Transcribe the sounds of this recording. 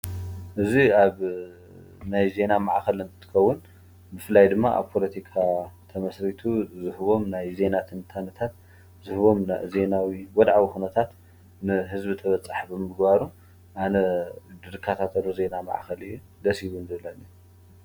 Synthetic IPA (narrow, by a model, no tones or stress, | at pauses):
ʔɨziaβ | najze̞namaʕxɐlɨnt̪ʰɨ̥t̪ʰɨ̥kɐwːʊn | mɨflajd̪ɨmːaʔa̰βpʰo̞lɐt̪ʰikʰat̪ʰɐmɐsɾit̪ʰuzɨhɨβo̞mnajze̞nat̪ʰɨnt̪ʰanɐt̪ʰat̪̚ | zɨhɨβo̞mnaze̞nawiwɔd̪ʕawixunɐt̪ʰat̪ | nɨɦɨzbit̪ʰɐβɐt͡sʼaħibɨmɨɡbaɾu | ʔanɐd̪ɨɾɨkʰːat̪ʰat̪ʰɐluze̞nama̰ʕ̰xɐlɨjːu | d̪ɐshiβunzɨβɨlalːu